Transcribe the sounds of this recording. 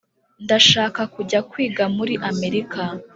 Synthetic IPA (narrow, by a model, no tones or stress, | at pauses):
ndaʃaːkakuɟakwiːɡamuɾiʔame̞ɾika